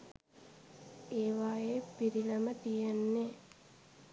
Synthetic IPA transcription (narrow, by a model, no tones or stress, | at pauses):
eːʋaːjepiɾiləmət̪ijenːe